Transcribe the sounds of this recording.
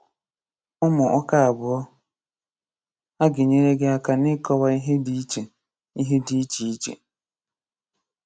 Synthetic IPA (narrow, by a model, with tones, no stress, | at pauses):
ɔ˦mʊ˨ʔɔ˦ka˦a˨bʊ˨ɔ˦ | a˦ɡɪ˨ɲe˦ɾe˦ɡe˦a˦ka˨nɪ˦kɔ˦wa˦i˦ɦe˦di˨˦t͡ʃe˨ | i˦ɦe˦di˨i˦t͡ʃi˨i˦t͡ʃḛ˨